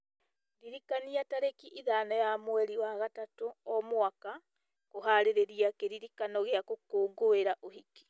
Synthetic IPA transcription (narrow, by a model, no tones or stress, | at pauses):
ɾiɾikaniataɾekiʔiðanajamwɛɾiwaɣatatoɔmwaka | koɦaɾeɾeɾiakeɾiɾikanɔɣeakokoːɡoeɾaʔohiki̥